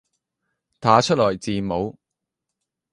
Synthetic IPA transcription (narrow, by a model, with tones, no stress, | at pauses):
t̪ʰaː˨˥t͡ʃʰɵ˥t̚lɔː˨˩jt͡siː˨mo˨˧˥w